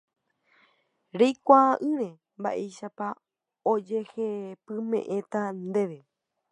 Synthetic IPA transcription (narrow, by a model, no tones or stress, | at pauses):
ɾejkʷaʔɨ̃ɾẽ̞ | mba̰ʔe̞jʃapa | od͡ʒe̞hepɨ̃mḛ̃ʔẽ̞t̪and̪e̞ʋe̞